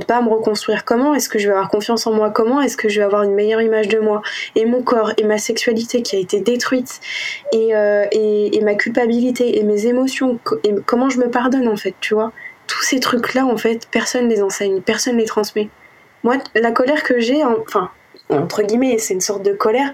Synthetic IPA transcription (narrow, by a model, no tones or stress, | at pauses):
d̪paːməʁəkɔ̃st̪χɥiʁkɔmɑ̃ɛskəʒəvɛavwaʁkɔ̃fjɑ̃sɑ̃mwakɔmɑ̃ɛskəʒəvɛavwaʁynmejœʁimaʒd̪əmwaemɔ̃kɔʁemasɛksɥalit̪ekʲiaet̪ed̪et̪χɥit̪eøeːmakʲylpabilit̪eʔemezemɔsjɔ̃kekɔmɑ̃ʒəməpaʁd̪ɔnɑ̃fɛt̪ːyvwat̪ʰu̥set̪χyklaɑ̃fɛt̪pɛʁsɔnlezɑ̃sɛɲpɛʁsɔnlet̪χɑ̃smɛ | mwalakɔlɛʁkəʒeɑ̃fɛ̃ | ɑ̰̃t̪χəɡʲimɛsɛynsɔʁt̪̚d̪əkɔlɛʁ